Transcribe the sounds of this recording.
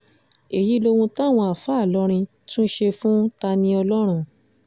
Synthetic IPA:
e˨ji˨˦lo˧wũ˧ta˦˨w̃ɔ̃˧a˨fa˨˦˨lɔ˨˦ɾ̃ĩ˧ | tũ˦ʃe˧fũ˦ta˧nĩ˧ɔ˧lɔ˦ɾ̃ũ˦˨

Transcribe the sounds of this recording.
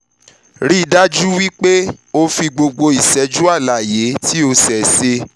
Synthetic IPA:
ɾi˦˨da˦d͡ʒu˦wi˦k͡pe˦o˧fi˧ɡ͡bo˧ɡ͡bo˧i˨sɛ˨˦d͡ʒu˦a˦˨la˨je˨˦tʰi˦o˧sɛ˨se˧

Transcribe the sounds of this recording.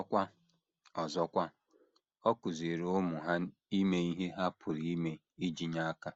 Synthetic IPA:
ɔ˦kʷa˦ | ɔ˨zɔ˦kʷa˦ | ɔ˦kʊ˨zi˨ɾʊ˦mʊ˨ɦa˦i˦me˦i˦ɦe˦ɦa˦pʰʊ˨ɾi˦me˦ | i˦d͡ʒi˨ɲa˦a˦ka˦

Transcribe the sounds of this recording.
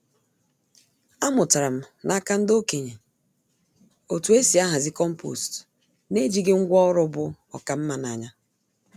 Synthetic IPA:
a˦mʊ˨ta˨ɾa˨m̩˦nʔa˦ka˦n̩˦do˦ke˨ɲe˨ | o˨tu˨˦e˦si˨a˦ɦa˨zɪ˦kɔ˦m̩˦po̰˨st | ne˦d͡ʒi˦ɡɪ˦ŋ̩˦ɡʷɔ˦ɔ˦ɾʊ˦bʊ˦ | ɔ̰˨ka˨m̩˦ma˦na˨ɲa˦

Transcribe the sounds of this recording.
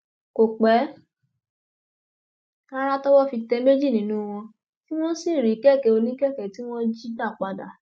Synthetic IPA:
ko˨k͡pɛ˨˦ | ka˦ɾa˦tɔ˦wɔ˦fi˧tɛ˧˦me˦d͡ʒi˦˨nĩ˨˦nũ˦˧w̃ɔ̃˧ | ti˦w̃ɔ̃˦si˦˨ɾi˨˦kɛ˦˨kɛ˨˧o˧nĩ˦kɛ˦˨kɛ˨ti˦w̃ɔ̃˦d͡ʒi˦da˦˨k͡pa˧da̰˨˦

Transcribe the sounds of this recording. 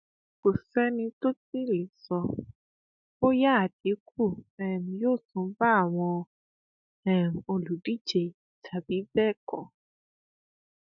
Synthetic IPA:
kʊ˨sɛ˦ni˧to˦t͡si˦lɪ˨sɔ˨ | o˦ja˦˨ti˨˦k̚ʰu˦ɛ˨m̩˨jo˦˨sʊ˨˦va˦˨wɔ˨ | ɛ˨m̩˨o˨lu˨di˦d͡ʒe˨ | tʰa˨bi˦vɛ˦kɔ˨

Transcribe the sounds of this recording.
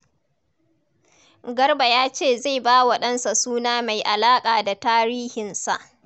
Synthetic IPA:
ɡɐ˦rba˨jaː˦t͡ʃeː˦˨za˦˨baː˦wɐ˦ɗɐ˦nsa˨suː˦naː˦ma˨jʔa˨laː˦kʼaː˨da˨taː˦ɾiː˦hɪ˨nsa˨ʔ

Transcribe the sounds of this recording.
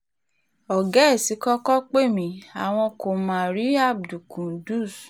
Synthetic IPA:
ɔ˨ɡɛ˦˨si˨˦kɔ˦kɔ˦k͡pe˦˨mĩ˨˦a˨w̃ɔ̃˧ko˨m̃ãː˦˨ɾi˦a˦˨b̚du˨kũ˨du˦˨s

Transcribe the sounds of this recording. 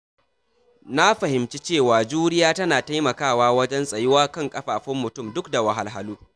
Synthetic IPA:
na˦ɸɐ˨hɪ˨mt͡ʃi˦t͡ʃeː˦˨waː˨d͡ʒuː˦ɾɪ˦jaː˦tɐ˦naː˨ta˦jmɐ˨kaː˦˨waː˦wɐ˦d͡ʒɛ˦nsʼɐ˨jɪ˦waː˦kɐ˦˨ŋkʼɐ˦ɸaː˨ɸʊ˦mːʊ˨tʊ˦˨mdʊ˦kda˨wɐ˨ɦa˦lɦa˦luː˦

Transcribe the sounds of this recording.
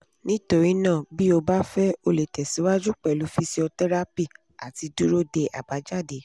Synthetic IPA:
nĩ˦to˧ɾi˨˦nãː˦˨bi˦o˧ba˦fɛ˦o˧le˨tɛ˨si˨˦wa˦d͡ʒu˦k͡pɛ˦˨lu˨˦fi˧si˧˦ɔ˧tɛ˦ɾa˦pi˦˨ | a̰˨ti˨˧du˦ɾo˦de˧ʔa̰˨ba˨˦d͡ʒa˦˨de˨˦

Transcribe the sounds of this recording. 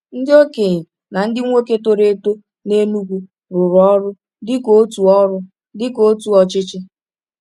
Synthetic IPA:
n̩˦dɪ˦o˦ke˨ | na˨n̩˦dɪ˦ŋʷo˦ke˦to˦ɾe˨˦to˦ | ne˦nu˦ɡʷu˦ | ɾʊ˨ɾɔ˦ɾʊ˦ | dɪ˦ko˦tu˨ɔ˦ɾʊ˦ | dɪ˦ko˨˦tu˨ɔ˨t͡ʃɪ˦t͡ʃɪ˦

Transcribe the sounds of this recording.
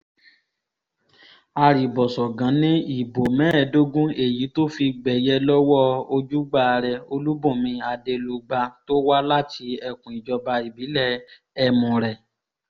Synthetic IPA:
a˧ɾi˨bɔ˨sɔ˨ɡã˨˦nĩ˦i˦˨bo˨mɛ̃˦˧˨do˦ɡũ˦e˦˨ji˨˦to˦fi˧ɡ͡bɛ˨jɛ˧lɔ˦wɔ˦o˧d͡ʒu˦ɡ͡ba˧ɾɛ˧o˧lu˦bɔ̃˦˨mĩ˧a˧de˧lu˧ɡ͡ba˧to˦wa˦la˦tʰi˧˦ɛ˧kũ˨i˨d͡ʒɔ˧ba˧i˨bi˨˦lɛ˦˨ | ɛ˧mɔ̃˨ɾɛ˨

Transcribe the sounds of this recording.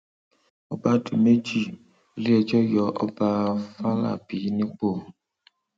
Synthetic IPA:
ɔ˦ba˧di˨me˦d͡ʒi˦˨ | li˦ɛ˧d͡ʒɔ˦jɔ˨˧ʔɔ˦ba˧fa˦la̰˦˨bi˨˦nĩ˦k͡po˦˨

